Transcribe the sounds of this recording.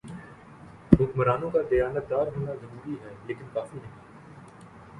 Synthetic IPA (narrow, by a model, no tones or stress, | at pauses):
ɦʊkməɾaːnõkad̪ɐjaːnət̪̚d̪aːɾɦoːnazɐɾuːɾiɦɛːleːkɪnkaːfinɐɦĩː